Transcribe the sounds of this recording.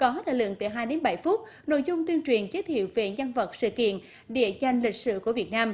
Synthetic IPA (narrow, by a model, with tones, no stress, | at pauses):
kɔ˨˦t̪ʰa̰ː˧˨lɨ̰˧˨ŋt̪ɨ˧˨˩ɦaː˧jɗe˨˦nɓa˧˩jfu˦˥t̚ | no̰˧˨jzʊ˧ŋ͡mt̪wi˧ənt͡ɕwi˨˩ənke˨˦t̪ʰḭ˧˨əwve˨˩ɲa˧nvə˨˩t̚sɨ̰˧˨kḭ˧˨ən | ɗe˧˩əza˨˩jŋ̟li˨˩k̟sɨ̰˧˨ku˧˩əvi˨˩ət̚naː˧m